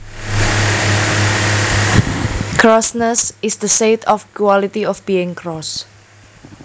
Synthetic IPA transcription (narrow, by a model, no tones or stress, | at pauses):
kʰɹɔsnəsɪsd̪əset̪ʰɔfkwalit̪iɔfb̥iɪ̃ŋkɹɔs